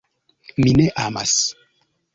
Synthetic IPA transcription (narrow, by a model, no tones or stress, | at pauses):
mineʔama̰s